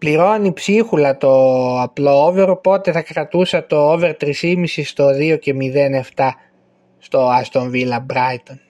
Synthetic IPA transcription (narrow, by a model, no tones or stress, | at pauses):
pliɾo̞nipsixulɐt̪o̞ɐplo̞oveɾopo̞t̪e̞θɐkɾɐt̪usɐt̪o̞ove̞ɾt̪ɾisimisist̪o̞ðio̞ce̞miðe̞ne̞ft̪ɐ | st̪o̞ɐst̪o̞ɱvilɐbɾɐjt̪on